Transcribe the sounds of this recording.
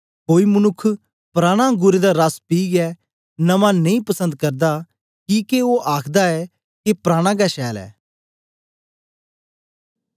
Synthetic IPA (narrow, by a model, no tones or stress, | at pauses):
koːimʊnʊkʰː | pɾaːɽ̃ãɡʊɾed̪aɾaspiːɡɛː | nɐmãnɐĩpɐsə̃nd̪kɐɾd̪a | kiːkeoːʔaːkʰd̪aɛː | kepɾaːɽ̃ãːɡ̬ɛʃɛːlɛ̰ː